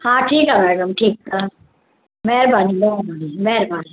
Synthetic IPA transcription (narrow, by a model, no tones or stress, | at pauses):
hãːʈʰiːkɦɛmɛːɖəmʈʰiːkka | mɛːɾbaːnilonaːnimɛːɾbaːni